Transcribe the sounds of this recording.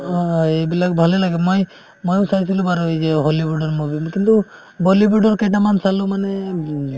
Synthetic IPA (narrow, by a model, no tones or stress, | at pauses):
ebilaɡ̚bʱalɛlaɡɛmoj | mojusajsilubaɾɔed͡ʒɛɦolibuɖɔɾmubimkint̪u | bɔlibuɖɔɾkɛjʈamansalumane